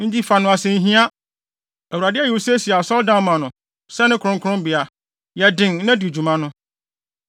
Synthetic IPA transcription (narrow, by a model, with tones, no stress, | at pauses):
n̩˦d͡ʑi˦fa˨nʊ̃˨a˨sẽ˦n̩˦ɦĩ˦a˦ | æ˨u˨ɾa˨dɪ˦ɛ˦˨u˨wo˦se˦si˨a˨sɔ˦ldã˦n˨mã˨nʊ̃˨ | sɛ˦nɪ̃˦kʰʊ˨ɾʊ̃˦kʰʊ˦ʊ̃˦m˦bi˨a˨ | jɛ˨dɪ̃˨ŋ˦nã˦du˨d͡ʑu˨mã˦nʊ̃˦